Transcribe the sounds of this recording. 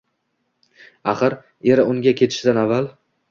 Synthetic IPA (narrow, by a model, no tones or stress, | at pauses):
aχɨɾ | eɾɪʊŋɡʲakʲʰe̞t̪ʰɪ̥ʃɪd̪anavːalˠ